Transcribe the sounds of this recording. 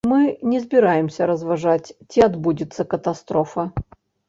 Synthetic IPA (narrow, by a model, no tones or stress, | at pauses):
mɨnʲɪzbʲɪɾajɪmsʲəɾəzvɐʐatʲtʲɪɐd̪budʲɪt̪səkət̪ɐst̪ɾofɐ